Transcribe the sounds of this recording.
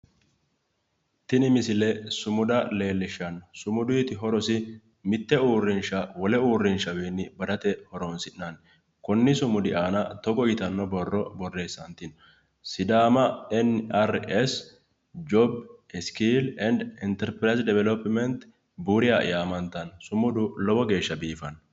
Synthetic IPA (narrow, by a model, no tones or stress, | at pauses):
t̪ɪnɪmɪsɪlɛsʊmʊd̪ɐle̞ːlːɪʃːɐnsʊmʊd̪ʊjt̪ɪɦɔɾɔsɪ | mɪt̪ːɛuːrːɪnʃɐwɔlɛuːrːɪnʃɐweːnːɪbɐd̪ɐt̪ɛhɔɾɔnsɪʔnɐn | kɔnːɪsʊmʊd̪ɪʔaːnɐt̪ɔɡɔjɪt̪ɐnːɔbɔrːɔbɔrːe̞ːsːɐnt̪ɪn | sɪd̪aːmɐɛnɐɾɛs | d͡ʒɔbɛskilɛnd̪ɪnt̪ɛɾpɾɐjzd̪ɛvɛlɔpːmɛnt̪ | buːɾɪja̰jaːmɐnt̪ːɐnsʊmʊd̪ʊlɔbɔɡe̞ːʃːɐbiːfɐn